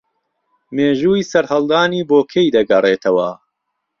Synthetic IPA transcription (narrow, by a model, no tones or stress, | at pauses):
meːʒuːisɐɾhɐlˠd̪aːniːboːkʰejd̪ɐɡɐreːt̪ʰɐwɐ̰